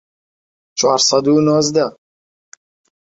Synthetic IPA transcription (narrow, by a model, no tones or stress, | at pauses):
t͡ʃʰaɾsad̪unɔzd̪a